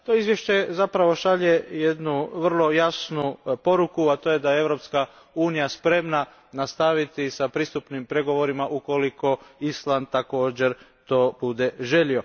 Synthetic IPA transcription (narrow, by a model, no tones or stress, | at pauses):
t̪oizʋje̞ʃt͡ʃe̞zapɾaʋo̞ʃaʎe̞je̞d̪nuʋr̩lˠo̞jasnupo̞ɾukuat̪o̞jed̪ajeeʋɾo̞pska | uːnijaspɾe̞mna | nast̪aʋit̪isapɾiːst̪upnimpɾe̞ɡo̞ʋo̞ɾimaʔuko̞liko̞islˠand̪̚t̪ako̞ːd͡ʑe̞ɾt̪o̞ːbud̪e̞ʒe̞ʎio̞